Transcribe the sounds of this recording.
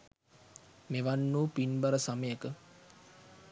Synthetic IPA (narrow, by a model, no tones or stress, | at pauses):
meʋanːuːpinbaɾəsaməjəkə